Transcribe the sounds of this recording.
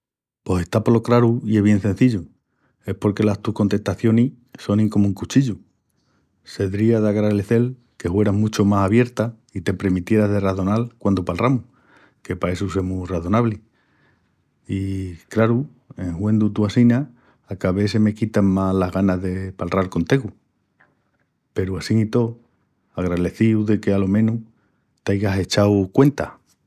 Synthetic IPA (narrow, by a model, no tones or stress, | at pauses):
po̞se̞t̪apolo̞kɾaɾuie̞ɦβje̞nse̞n̟θiʎu | e̞hpo̞ɾke̞last̪uhko̞nt̪e̞ht̪aθjo̞ni | so̞nĩŋko̞mũŋkut͡ʃiʎu | se̞ðɾiaðaɣɾaeleθe̞l | ke̞xwe̞ɾaɦmut͡ʃomasaβje̞ɾt̪a | it̪e̞pɾe̞ɾmit̪je̞ɾaɦðe̞raθo̞nalkwand̪opalramu | ke̞pae̞suse̞muraθo̞naβli | ikɾaɾu | e̞ŋhwe̞nd̪ut̪uasina | akaβe̞seme̞kit̪aŋmalaɦɣanazðe̞palralko̞nt̪eɣu | pe̞ɾuasiŋit̪o̞ | aɣɾale̞θiuðe̞ke̞alo̞mẽnu | t̪ajɣase̞t͡ʃawkwe̞nt̪a